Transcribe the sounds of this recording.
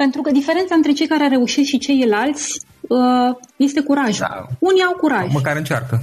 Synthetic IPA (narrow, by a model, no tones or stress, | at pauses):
pe̞nt̪ɾukəd̪ifeɾent̪saɨnt̪ɾe̞t͡ʃe̞jkaɾeaɾe̞uʃit̪ʃit͡ʃe̞jlalt̪sʲ | əje̞st̪e̞kuɾaʒa̰uniawkuɾaʒməkaɾɨnt͡ʃa̰rkə